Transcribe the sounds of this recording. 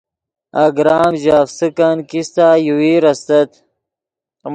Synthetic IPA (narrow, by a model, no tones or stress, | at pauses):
aɡɾaːmʑaːfsəkankist̪ajuwiɾɐst̪ɐt̪